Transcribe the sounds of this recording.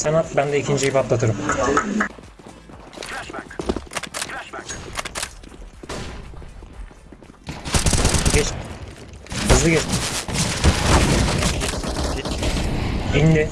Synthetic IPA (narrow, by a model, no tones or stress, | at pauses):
senat̪bænd̪ɛicʰind͡ʒiipat̪lˠat̪ʰɯɾɯm | ɡɛt͡ʃ | hɯzlˠɯɡʲɛt͡ʃ | ind̪ɛ